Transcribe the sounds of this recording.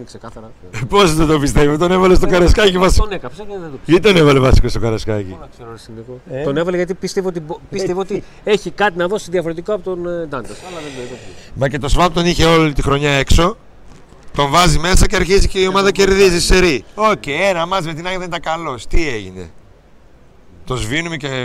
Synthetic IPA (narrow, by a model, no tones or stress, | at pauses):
nksekɐθɐɾɐ | posðet̪obist̪e̞vot̪o̞nevɐlest̪okɐɾɐskɐcimɐsnekɐpsɐðed̪ot̪t̪onevɐlevɐsi̥kost̪o̞kɐɾɐskɐcḭɐkseɾoɾesiniɣotonevɐleʝɐt̪ipist̪eviot̪̬ibpiseviot̪i | e̞çikɐt̪inɐðo̞siðiɐfoɾet̪ikoɐpot̪ond̪ɐnt̪ɐsɐlɐðeboɾipoimɐce̞t̪o̞svɐpt̪oniçe̞o̞lit̪ixɾo̞ɲɐe̞kso̞ | t̪o̞ɱvɐzime̞sɐceɐɾçiziceio̞mɐðɐce̞ɾðizise̞ɾio̞ceenɐmɐzmet̪inɐɣɐðenid̪ɐkɐlo̞st̪ieʝine̞̰ | t̪o̞zvinumece